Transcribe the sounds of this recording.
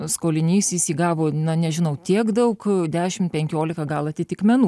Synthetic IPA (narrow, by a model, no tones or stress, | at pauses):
skoːlʲɪnʲiːsisʲiːɡɑːʋoːnɐnʲɛʒʲɪnɐʊt̪ʲiɛkd̪ɐʊkd̪ʲæːʃʲɪmpʲɛŋʲkʲoːlʲɪkɐɡɐlˠɐt̪ʲɪt̪ʲɪkmʲɛnuː